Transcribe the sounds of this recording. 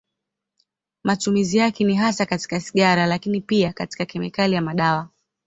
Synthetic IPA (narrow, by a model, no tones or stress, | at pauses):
matumizijakɛniɦasakati̥kasi̥ɠaɾalakinipiakati̥kakɛmɛ̰kalijamaɗawa